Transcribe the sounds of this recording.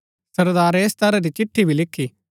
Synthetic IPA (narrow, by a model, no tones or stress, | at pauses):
sɐɾd̪aːɾeːst̪ɐɾad̪it͡ʃɪʈʰːibʱilɪkʰːiː